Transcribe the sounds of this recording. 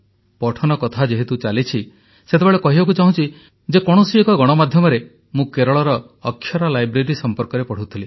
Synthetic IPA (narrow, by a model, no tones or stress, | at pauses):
pɔʈʰɔnɔkɔt̪ʰad͡ʒeɦet̪ut͡ʃalit͡ʃʰi | set̪ebeɭekɔɦibak̬ut͡ʃaɦũt͡ʃʰi | d͡ʒekɔɽ̃ɔsiekɔɡɔɽ̃ɔmad̪ʱjɔmɔɾe | mũkeɾɔɭɔɾɔː | kʰːjɔɾalajbɾeɾisɔmpɔɾkɔɾepɔɽ̤ut̪ʰili